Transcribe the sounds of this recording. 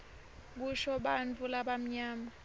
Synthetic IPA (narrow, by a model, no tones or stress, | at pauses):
ɓuʃɔɓant͡fʰʼulaɓam̩ɲaːma